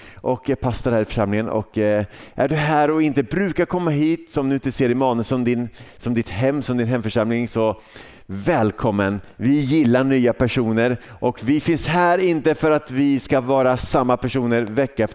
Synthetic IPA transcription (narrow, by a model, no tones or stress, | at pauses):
ʔɔkpʰast̪aɾhæːɾɪfœ̥ʂamlɪŋənʔɔ̰kʔæɖɵɦæːɾɔɪnt̪əbɾʉ̟ːkaɾkʰɔmːaɦiːt̪sɔmd̪ɵɪnt̪əseːɾɪmɑːnɵsɔmd̪ɪnsɔmd̪ɪt̪hɛmːsɔmd̪ɪnɦɛmfœʂamlɪŋsɔ | vɛːlkʰɔmːənvɪjɪlːaɳyːapʰæʂuːnəɾʔɔkvɪfɪnshæːɾɪnt̪əfœɾat̪vɪskavɑːɾasamːapʰæʂuːnəɾvɛkːaɛ